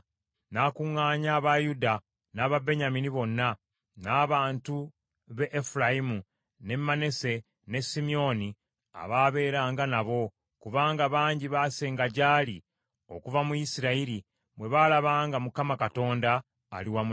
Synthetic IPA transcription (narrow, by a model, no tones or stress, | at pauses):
naːkuŋːaːɲaːβajuda | naːβabe̞ɲaminiβo̞nːa | naːβaːntu | βe̞ʔːfulaimu | ne̞mːanese̞ | ne̞simio̞ni | a̰βaːβe̞ːɾaːŋɡanaβo̞ | kuvaːŋɡaβaːɲɟiβaːseːŋɡaɟaːli | o̞̰kuvamujisiɾaiɾi | mwe̞βaːlaβaːŋɡamukamakato̞ːnda̰ː | liwamu